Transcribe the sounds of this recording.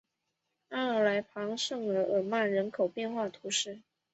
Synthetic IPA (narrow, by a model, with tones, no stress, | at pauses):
a˥˩ə˧˥la˧˥ɪpʰɑ˧˥ŋʂɤ˥˩ŋə˧˩ʔə˨˩ma˥˩ɻə˧˥nkʰo˨˩ʊpjɛ˥˧nxwa˥˩t̪ʰu˧˥ʂɻ̩˥˩